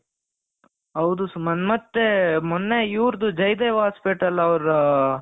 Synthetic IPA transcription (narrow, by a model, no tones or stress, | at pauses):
ɦɐwd̪usmɐnmɐt̪ːemɔnːeiːɾd̪ud͡ʒɐjd̪eːʋaːspiʈɐlɐʋɐɾɐ